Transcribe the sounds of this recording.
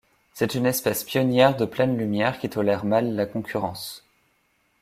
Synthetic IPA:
sɛt̪ynɛspɛspjɔnjɛʁd̪əplɛnlymjɛʁkʲit̪ɔlɛʁmalːakɔ̃kʰʲyʁɑ̃s

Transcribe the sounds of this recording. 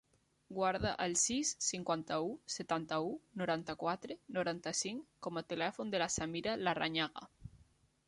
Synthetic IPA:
ɡwaɾðaʔalsisːiŋkwant̪auset̪ant̪aunoɾant̪akwat̪ɾenoɾant̪asiŋkɔmat̪elɛfond̪elasamiɾalara̰ɲaɣa̰

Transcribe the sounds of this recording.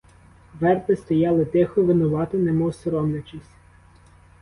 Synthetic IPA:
ʋɛrp̪ɪst̪ɔjɑlˠɪt̪ɪxɔʋɪnʊʋɑt̪ɔnɛmɔsɔɾɔmlʲɐt͡ʃɪsʲ

